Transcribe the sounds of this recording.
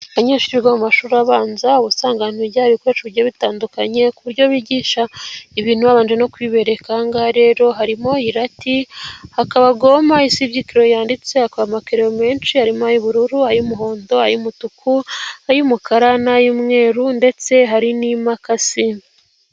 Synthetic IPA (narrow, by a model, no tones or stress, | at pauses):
aβaɲeːʃiɾiɾɡamumaʃuːɾaβaːnzauβusaːŋɡaniɾjaβikoet͡ʃuβiɾjoβitaːndukaɲe̞kuβuɾɟo̞βiːɟiːʃaiβiːn̥huβaβaːnd͡ʒeno̞kwiβe̞ɾe̞kaŋɡaɾe̞ːɾo̞ɦaɾimo̞iɾatihakaβaɡo̞maisibɟikiɾo̞jaːndit͡se̞akoɾamakeɾeɾome̞ːnt͡ʃihaɾimoajuβuɾuɾuhajumuɦo̞ːndo̞ajumutukʰuajumukaɾanajumŋe̞ːɾunde̞t͡se̞ɦaɾinimakasin